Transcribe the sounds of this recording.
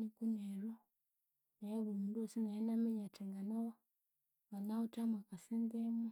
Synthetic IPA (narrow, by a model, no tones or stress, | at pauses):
ikuneɾo | naeβumundosinajenameɲateŋɡanawo | βanautamakasindema